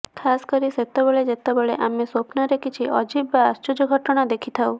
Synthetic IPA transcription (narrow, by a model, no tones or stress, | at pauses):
kʰaskɔɾiset̪ɔbɔɭed͡ʒet̪ɔbɔɭeʔamesopnɔɾekit͡ʃʰiʔɔd͡ʒibbaːst͡ʃod͡ʒɔɡʱɔʈɔɽ̃ad̪ekʰit̪ʰaw